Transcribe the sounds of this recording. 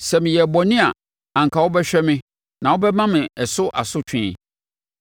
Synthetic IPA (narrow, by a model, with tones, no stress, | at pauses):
sɛ˨mɪ̃˨jɛ˨bɔ˨nɪ̃˦a̰˨ | ã˨ŋ̩˨kʰa˨wɔ˦bɛ˦ɕᶣɛ˦mɪ̃˦ | nã˨wɔ˦bɛ˦mã˦mɪ̃˨ɛ˨sʊ˦ʔa̰˨sʊ˦t͡ɕᶣʰɪ̃˦˨